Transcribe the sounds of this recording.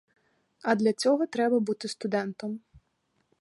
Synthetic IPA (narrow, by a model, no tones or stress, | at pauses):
ɐd̪lʲɐt͡sʲɔɦɔt̪ɾɛbɐbut̪ɪst̪ʊd̪ɛnt̪ɔm